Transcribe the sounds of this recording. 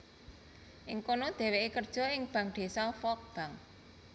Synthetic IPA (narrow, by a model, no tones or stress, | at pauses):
ʔɪŋkonod̪̥e̤weʔekərd̥ʒ̥ɔ̤ɪŋb̥ä̤ŋɖ̪̥e̤sɔfɔk̚b̥a̤ŋ